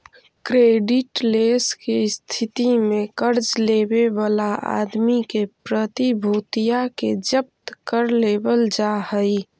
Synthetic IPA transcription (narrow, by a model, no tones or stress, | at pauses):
kɾeːɖɪʈleskest̪ʰɪt̪imẽkəɾd͡ʒlebeʋalaʔa̰ːd̪mikepɾət̪ibʱuːt̪ijaked͡ʒəp̚t̪kəɾlebəld͡ʒahəi